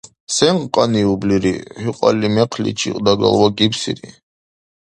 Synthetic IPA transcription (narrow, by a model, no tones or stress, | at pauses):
sɛɴqqʼaniubliɾihyqʼalːimɛqʰlḭt͡ʃʰḭqʼd̪aɡa̰lwaɡipsḭɾi